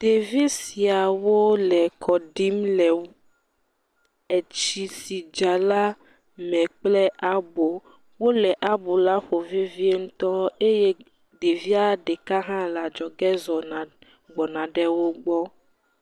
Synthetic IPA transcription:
d̥̪e˨vi˦si˨a˨wo˦lɛ˨kʰɔ˨ɖi˦mlɛ˨ | e˨t͡ʃi˦si˨d͡ʒa˨la˦ | mɛ̃˨k͡plɛ˦ʔa˦bo˨ | wo˦lɛ˨ʔa˦bo˨la˦ɸo˨vi˦vi˦e˦ŋũ˦t̪ɔ˦e˦je˦ | ɖe˨vi˦a˦ɖe˨ka˦ɦã˦la˨d͡ʒɔ˨ɡɛ˦zɔ˨nã˨ | ɡ͡bɔ˨nã˨ɖɛ˦wo˦ɡ͡bɔ˦

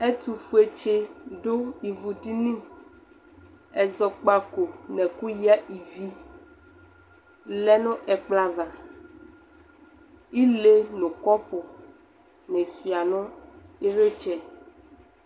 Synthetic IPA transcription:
ɛ˦t̪u˨fu˦e˨t͡ʃe˦ɖo˦i˨vu˨ti˦nĩ˦ | ɛ˨zɔ˨k͡pa˦ko˨nɛ̃˨ku˦ji˦a˦ʔi˨vi˦ | lɛ˦nɔ̃˦ʔɛ˨k͡pla˦va˨ | i˦le˦nõ˨kɔ˦po˨ | nɛ̃˨si˨a˨nɔ̃˦i˦ɾe˦t͡ʃɛ˨

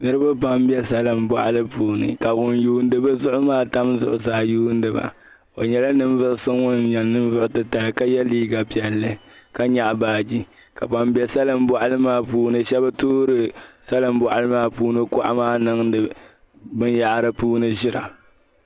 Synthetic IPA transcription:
nɨ˦ɾɨ˦ba˦pa˦mbɛ˦sa˦lɨ˨mbɔ˨ʔa˦lɨ˦puː˨nɨ̰˨ka˨ɡʊ˨njuː˦n˦dɨ˦bɨ˦zʊ˦ʔʊ˦maː˦ta˦mzʊ̰˦˨ʔʊ˨zaː˨˦˨juː˦n˦dɨ˨ba̰˨ | o˨ɲɛ˨˦la˦nɨ˦m˦vɨ˦ʔʊ˦sɨ˦ŋʊ˦nɲɛ˨nːɨ˦m˦vʊ˦ʔʊ˦tɨ˦ta˨lɨ˨ka˦jɛ˦liː˦ɡa˨pi˨ɛ˨lːɨ˦ka˦ɲa˨ʔbaː˨d͡ʒi˦ | ka˨pa˨mbjɛ˦sa˦lɨ˨mbɔ˨ʔa˦lɨ˦maː˦˨puː˦nɨ˦ʃɛ˦ba˦tuː˦ɾɨ˨sa˦lɨ˨mbɔ˨ʔa˨lɨ˦maː˦puː˦nɨ˦kʊ˦ʔa̰˦maː˦nɨ˦ŋdɨ˨ | bɨ˦nja˨ʔɾɨ˦puː˦nɨ˦ʒɪ˦ɾa̰˨

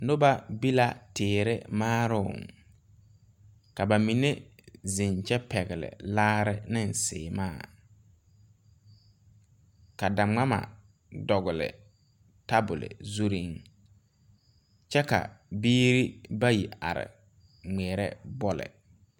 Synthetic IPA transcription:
nʊ˦ba˦bi˦la˦teː˨ɾɪ̰˦maː˦ɾʊ˦ʊ̰˨ŋ | ka˨ba˨mi˨ne˦zɪ˨nt͡ʃɛ˦pɛ˨ɣɪ˨lɪ̰˨laː˦ɾɪ˦nɪ˦nsɪ̰ː˨maː˦˨ | ka˨da˨ŋ͡ma˦ma̰˨ | dɔ˨ɣʊ˨lɪ̰˨ | ta˦bʊ˨lɪ̰˨zu˦ɾi˦ŋ | t͡ʃɛ˦ka̰˨biː˦ɾi˦ba˦ji˨a̰˨ɾɪ̰˨ | ŋ͡mɛː˨ɾɛ̰˦bɔ˦lɪ̰˨

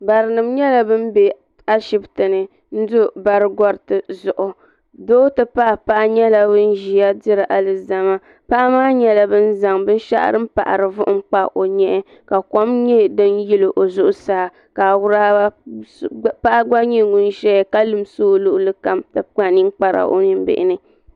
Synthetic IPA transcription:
ba˨ɾɨ˨nɨ˨mɲɛ˦la˨bɨ˦m˦be˨ | a˦ʃi˦btɨ˨nɨ˨ | n̩˦dʊ˦ba˨ɾɨ˦ɡɔ˦ɾtɨ˨zʊ˨ʔʊ˨ | doː˦tɨ˨pa˦ʔpa˦ʔa˦ɲɛ˦la˦bɨ˦n̩˦ʒi˨a˦dɪ˦ɾɨ˨ʔa˨lɨ˨za˦ma˦ | pa˦ʔa˦maː˦ɲɛ˦la˨bɨ˦n̩˦za˨ŋbɨ˦n˦ʃa̰˦ʔɾɨ˦m̩˦pa̰˨ʔa̰˨ɾɨ˨vʊ˦ʔʊ˦ŋ͡m̩˦k͡pa˦ʔo˨ɲɛ˦ | ka˨ko˦mɲɛ˦dɨ˦nji˦lɨ˨ʔo˨zʊ˦ʔʊ˦saː˦˨ | ka˨wʊ˦ɾa˦ | pa˦ʔa˦ɡ͡ba˦ɲi˦ŋɡʊ˦n˦ʃɛ˦˨ka˦lɨ˨msoː˦lʊ˦ʔʊ˦lɨ˦ka˦mtɨ˨a˨ni˦ŋk͡pa˦ɾa̰˨ʔo̰˦ni˦m˦bɪ̰˨ʔɪ̰˦nɨ˦

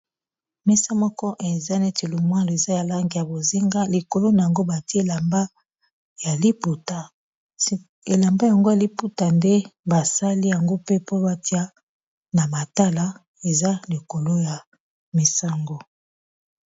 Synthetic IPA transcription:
mɛ˦sa˦mɔ˦kɔ˦ʔe˨za˦ne˦te˨lo˨mwa˦lo˨e˨za˦ja˨la˦ŋɡi˨ja˨bo˨zi˦ŋɡa˦li˨ko˨lo˦na˨ja˨ŋɡo˦ba˨ti˦e˦˨la˨mba˦ | ja˨li˦pu˨ta˨˦ | e˨la˨mba˦ja˨ŋɡo˦ja˨li˦pu˦ta˨nde˦ba˨sa˦li˦ja˨ŋɡo˦pe˦po˦ba˦ti˦a˦ | na˨ma˨ta˦la˦ | e˨za˦li˨ko˨lo˦ja˨ | mi˨sa˦ŋɡo˨

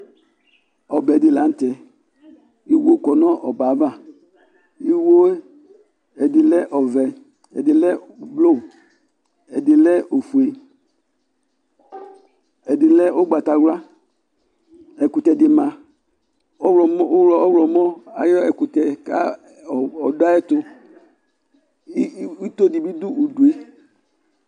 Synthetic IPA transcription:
ɔ˨bɛ˨di˨la˨n̩˦tɛ˨ | i˦wo˦kɔ˨nɔ˦ʔɔ˨ba˨˦va˦˨ | i˦wo˦ | ɛ˨di˨lɛ˦ʔɔ˨vɛ˨ | ɛ̰˨di˨lɛ˦˨blo˦˨ | ɛ˨di˨lɛ˦o˨fu˨e˨ | ɛ˨dɪ˨lɛ˦o˦ɡ͡ba˨ta˨wla˦ | ɛ˨ku˨tɛ˨dɪ˨ma˨ | ɔ˦˨m˦lɔ˨ɔ˦wlɔ˨mɔ˦a̰˨jɔ˦ɛ˨ku˨tɛ˨ka˦˨ | ɔ˨da˦ɛ˦tʊ˦ | u˦to˦di˨bi˦d̪u˦u˨du˨e˦

